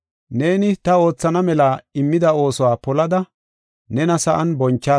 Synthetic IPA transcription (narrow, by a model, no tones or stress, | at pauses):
ne̞ːnɪt̪ɐo̞ːt͡sːɐnɐmɛlaɪmːɪd̪ɐo̞ːsɔwaːpɔlɐd̪ɐ | nɛnɐsɐʔɐnbɔnt͡ʃːaː